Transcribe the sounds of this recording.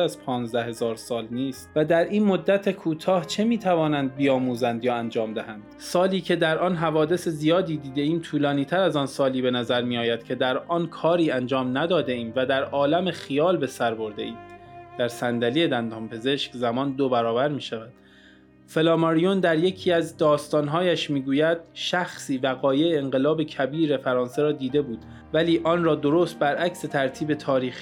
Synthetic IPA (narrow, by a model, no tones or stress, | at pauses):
æzpʰɒːnzd̪æhe̞zɒːɾsɒːlniːst̪væd̪æɾʔiːnmo̞d̪ːæt̪ʰe̞kʰuːt̪ʰɒːht͡ʃʰe̞miːt̪ʰævɒːnænd̪̚bijɒːmuːzænd̪jɒːænd͡ʒɒːmd̪æhænd̪̥sɒːliːcʰe̞d̪æɾʔɒːnɦævɒːd̪e̞se̞zijɒːd̪iːd̪iːd̪e̞iːmt̪ʰuːlɒːniːt̪ʰæɾæzɒːnsɒːliːbe̞næzæɾmijɒːjæd̪̥̚cʲʰe̞d̪æɾɒːnkʰɒːɾiːænd͡ʒɒːmnæd̪ɒːd̪eʔiːmvæd̪æɾɒːlæme̞xijɒːlbe̞sæɾbo̞ɾd̪ḛʔiːmd̪̥æɾsænd̪ælije̞d̪ænd̪ɒːmpʰe̞ze̞ʃkzæmɒːnd̪obæɾɒːbæɾmiːʃævæd̪̥ | fe̞lɒːmɒɾijond̪æɾje̞cʰiːæzd̪ɒːst̪ɒːnɦɒːjæʃmiːɡuːjæd̪̥̚ʃæxsiːvæɣɒːje̞eːŋɢe̞lɒːbe̞cʰæbiːɾe̞fæɾɒːnse̞ɾɒːd̪iːd̪e̞buːd̪̥ | væliːʔɒːnɾɒːd̪o̞ɾoːst̪̚bæɾʔækse̞t̪ʰæɾt̪ʰiːbe̞t̪ʰɒːɾiːx